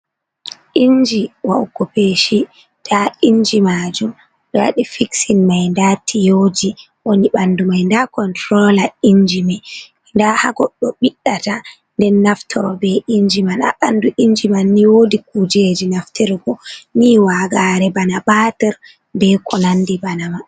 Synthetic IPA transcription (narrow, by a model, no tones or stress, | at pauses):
ʔiɲd͡ʒiwaɡɔpeʃi | tʰaiɲd͡ʒimad͡ʒum | ɗɔwa̰ɗifiksinmajndaːtʰijod͡ʒi | woniɓandumajndakɔntɾɔlaiɲd͡ʒimɛ | ndaha̰ɡɔɗːɔɓiɗːata | ndɛnːaftʰɔɾɔbɛiɲd͡ʒimana̰ɓanduʔiɲd͡ʒimanːiwodik̚ud͡ʒed͡ʒinaftɛɾɡɔniwaɡaɾɛbanabatɛɾ | bɛkʰɔnandibanama